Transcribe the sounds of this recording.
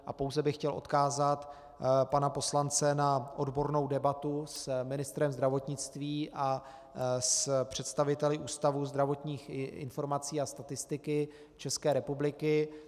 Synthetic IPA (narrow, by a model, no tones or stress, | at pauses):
ʔapo̞wzɛbɪxcɛlʔot̪kaːzat̪ | panapo̞slant͡sɛnaʔo̞dbo̞ɾno̞wdɛbat̪usmɪnɪst̪ɾɛmzd̪ɾavo̞t̪ɲɪt͡st̪viːʔa | spr̝̥ɛt̪st̪avɪt̪ɛlɪʔuːst̪avuːzd̪ɾavo̞t̪ɲiːxɪ̰nfo̞ɾmat͡siːast̪at̪ɪst̪ɪkɪ | t͡ʃɛskɛːɾɛpublɪkɪ